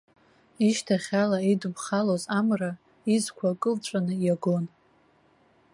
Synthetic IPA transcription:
iʃtʰaχʲalaidɨmχalozamra | izkʷʰakʼɨlʈ͡ʂʷʼanɨjaɡo̞n

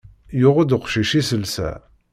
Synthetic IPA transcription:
jʊʁəd̪əqʃiʃisəlsæ̰

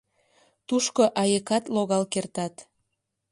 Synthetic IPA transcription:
t̪uʃkoʔɑjəkɑt̪loɣɑlkert̪ɑt̪

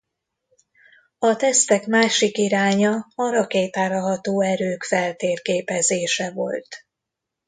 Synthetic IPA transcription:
ɒt̪ɛst̪ɛkmaːʃikiɾaːɲɒɒɾɒkeːt̪aːɾɒɦɒt̪oːɛɾøːkfɛlt̪eːrkeːpɛzeːʃɛvo̞̰lt̪

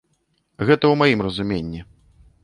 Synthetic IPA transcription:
ɣɛt̪ɐwmajimrɐzumʲenʲːi

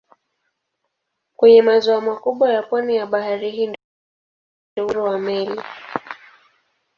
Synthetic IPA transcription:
kwɛɲɛmazɔamakuɓwajapwanijaɓaɦaɾiɦiːnd | ɛuɾɔwamɛli

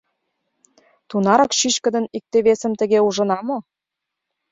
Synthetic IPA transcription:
t̪unɑɾɑkʃyt͡ɕkə̆d̪ə̆nik̚t̪eβesə̆mt̪ə̆ɣeuʒɤ̆nɑmo

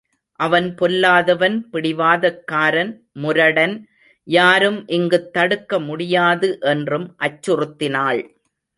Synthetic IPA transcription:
ʔɐʋɐnpɔlːaːðɐʋɐnpɪɽɪʋaːðɐkːaːɾɐn | mʊɾɐɽɐn | jaːɾɯmʔɪŋɡɯt̪ːɐɽɯkːɐmʊɽɪjaːðɯʔɛndrɯmʔɐt͡ʃːɯrɯt̪ːɪnaːɭ

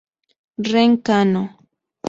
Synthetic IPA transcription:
ɾeŋkano

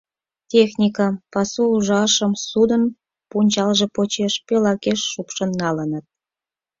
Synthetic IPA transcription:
tʲexnʲikɑpɑsuuʒɑʃəmsud̪ən | punʲt͡ɕɑlʒĕpot͡ɕeʃpelɑkeʃːupʃə̆nnɑlənət̪̚

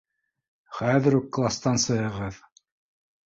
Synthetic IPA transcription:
χæðɘ̆ɾukːlˠast̪ɑnsɤ̆ɦɤ̆ʁɤð

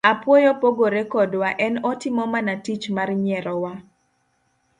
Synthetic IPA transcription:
apwojɔpoɡoɾekɔdwaʔɛnɔtɪmɔmanatit͡ʃmarɲɛɾɔwa

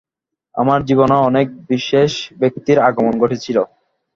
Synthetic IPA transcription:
a̰maɾd͡ʑiβonoɔnek̚biʃeʃbek̚t̪iɾaɡomonɡoʈʰit͡ɕʰilo

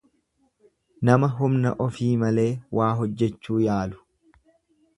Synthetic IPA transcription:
nɐmɐɦʊmnɐ̰ʔɔfiːmɐle̞ːwaːɦɔd͡ʒːɛt͡ʃːuːjaːlʊ̥

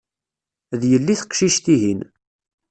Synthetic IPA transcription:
ðjəlːiθə̥qʃiʃt̪iɦin

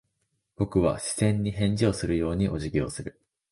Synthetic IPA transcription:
b̥o̞kɯ̟βa̰ɕi̥z̥ẽ̞ɲ̟ːihẽ̞ɲ̟d͡ʑio̞sɨɾɯ̟jo̞ːɲ̟iʔo̞ʑiɡʲiosɨɾɯ̟

